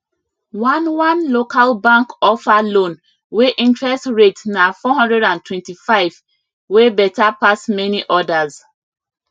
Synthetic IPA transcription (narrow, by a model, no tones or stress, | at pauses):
wãnwãnlokalbãŋkɔfalõn | weʔĩntɹɛstɹetnafɔɦɔ̃ndɹɛdãntwɛ̃ntifaɪv | webɛtapasmɛniʔɔdaz